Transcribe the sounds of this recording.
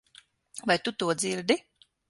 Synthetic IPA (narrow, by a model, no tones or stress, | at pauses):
vajt̪ut̪uɔd̪ziɾd̪i